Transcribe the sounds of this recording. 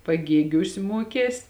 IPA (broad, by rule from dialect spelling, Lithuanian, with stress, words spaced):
pɐˈɡʲeːɡʲuːs ˈmuɔkʲeːs